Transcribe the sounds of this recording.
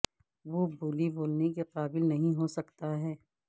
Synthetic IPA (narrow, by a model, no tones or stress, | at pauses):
ʋobuːliboːlnekeqaːbɪlnɐɦĩɦosɐkt̪aɦɛː